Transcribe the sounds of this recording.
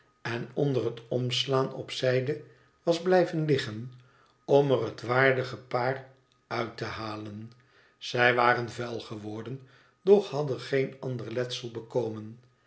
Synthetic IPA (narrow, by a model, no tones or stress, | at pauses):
ɛnɔndərɦətɔmslaːnɔ̰psɛjdə | ʋɑzblɛjvənlɪχən | ɔmərɦətʋaːɹdəχəpaːr | œɥtəhaːlən | z̥ɛjʋaːrənvɛlˠχəʋɔɹdən | d̥ɔχhɑdənχejnɑndərlɛtsəlˠbəkowmən